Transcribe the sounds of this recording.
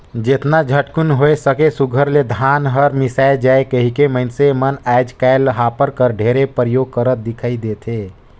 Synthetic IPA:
d͡ʒet̪nad͡ʒʱəʈkunɦoesəkesuɡʱəɾled̪ʱanɦəɾmisaed͡ʒaːekəɦikeməɪnsemənajd͡ʒkaɪləɦapəɾkəɾɖʱeɾepɾəjoɡ̚kəɾət̪̚d̪ikʰaid̪et̪ʰe

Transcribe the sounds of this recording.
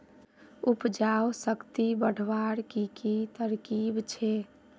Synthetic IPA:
upd͡ʒawsəkt̪ibəɽ̤ʱʋaɽkikit̪əɾkibt͡ʃʰe

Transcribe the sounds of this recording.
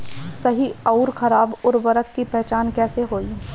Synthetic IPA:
sɐɦiɐʊɾxʰɐɾaːbʊɾʋɐɾəkkipɛɦt͡ʃaːnkɛːseɦoːi

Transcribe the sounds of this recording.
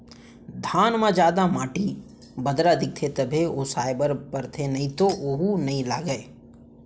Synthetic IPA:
d̪ʱaːnmãd͡ʒaːd̪amaːʈi | bɐd̪ɾad̪ɪk̚t̪ʰet̪ɐbʱeosaːɪbəɾpɐɾt̪ʰenɐɦĩt̪oʔoɦunɐɦĩlaːɡəe

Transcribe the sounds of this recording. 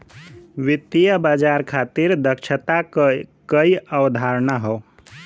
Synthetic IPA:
ʋit̪ːijəbad͡ʒaɾkʰat̪iɾd̪əkt͡ʃʰət̪akkəjəwd̪ʱaɾnaɦɔw

